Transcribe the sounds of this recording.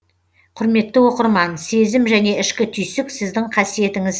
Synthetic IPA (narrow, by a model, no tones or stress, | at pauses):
qʰʊɾme̞t̪ːɪwo̞qəɾmɑnse̞zɪmʒæne̞ɪʃkʲɪt̪ʰʏjsɪksɪzd̪ɪɴqʰɑsije̞t̪ɪŋɪz